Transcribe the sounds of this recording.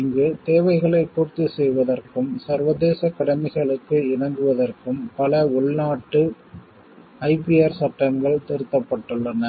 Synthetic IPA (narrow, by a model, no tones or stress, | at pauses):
ɪŋɡɯt̪eːʋɐɪɣɐɭɐɪpːuːɾt̪isɛjʋɐðɐrkɯmsɐɾʋɐðeːsɐkɐɽɐmɪɣɐɭɯkːɯɪnɐŋɡɯʋɐðɐrkɯmpɐlɐʊɭnaːʈːɯ | ɐɪpɪaːɾsɐʈrɐmɡɐɭt̪ɪɾɯt̪ːɐpːɐʈːɯɭːɐnɐ